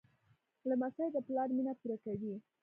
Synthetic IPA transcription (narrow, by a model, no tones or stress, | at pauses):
lamasajd̪əplɑɾminapuɾakawi